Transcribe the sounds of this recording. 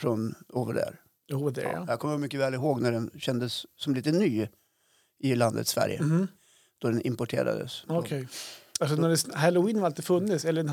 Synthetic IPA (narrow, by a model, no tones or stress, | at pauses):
fɾɔnoːvə̰ɖdæ̰ɾ | od̪ɛ̰a̰jakʰɔmːəmʏkːəvɛːlɪɦoːɡnæɖɛnɕɛnd̪əsːɔmliːt̪ənyː | ʔɪland̪ə̰t̪svæ̰ɾjə̰ | d̪̥ɔd̪ɛnʔɪmpɔʈʰḛːɾa̰d̪ə̰sɔkʰɛjalsɔnæɖɛsɦælʊiːnhaɾalt̪iːd̪fɵnːɪt̪sɛlːə